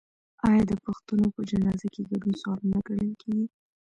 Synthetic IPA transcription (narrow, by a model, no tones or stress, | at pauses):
ɑjɑd̪əpaxt̪unopəd͡ʒanɑzakeɡaɖunsalunaɡaɽəlkʰeɡi